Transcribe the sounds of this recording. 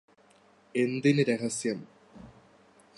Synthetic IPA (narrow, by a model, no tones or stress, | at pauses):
e̞nd̪inɨɾeɦɐsjɐm